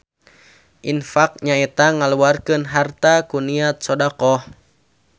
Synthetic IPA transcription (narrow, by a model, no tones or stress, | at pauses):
ʔinfak̚ɲaɛt̪aŋaluarkɨnɦart̪akuniat̪̚sɔdakɔh